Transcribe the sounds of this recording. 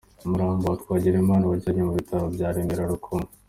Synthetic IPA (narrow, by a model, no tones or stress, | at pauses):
umuɾaːmboatwaːɟiɾemaːnaβaaɾɲemuβitʰaβobɟaːɾeːnɡeɾaɾukʰoma